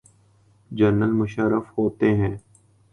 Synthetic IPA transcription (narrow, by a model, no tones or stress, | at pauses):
d͡ʒəɾnəlmʊʃəɾəfhoːt̪eɦɛ̃ː